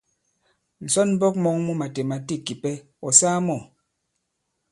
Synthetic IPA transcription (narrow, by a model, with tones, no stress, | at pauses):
n̩˨sɔ˦n˦bɔ˦k̚mɔ˦ŋmu˦ma˨te˨ma˨ti˦kːi˨pɛ˦ | ɔ˨saː˦mɔ˨